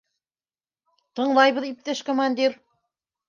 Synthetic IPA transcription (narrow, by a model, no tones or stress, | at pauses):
t̪ɤ̆ɴlˠɑjβɤðip̚t̪ɘʃkomanʲd̪ʲiɾ